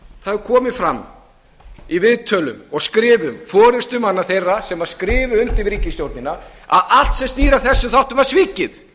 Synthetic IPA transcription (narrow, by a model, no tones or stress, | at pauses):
θaðʏkʰɔːmɪfɾamː | ivɪðt̪ʰœlʏmɔɣskɾɪːvʏmfɔːɾɪst̪ʏmanːaθejrːasɛmvaɾ̥skɾɪːvʏʏnt̪ɪvɾiːcɪst̪jowɾt̪nɪna | a̰ðal̥t̪sɛmst̪iːɾaθɛsːʏθawht̪ʏvaɾ̥sviːcɪð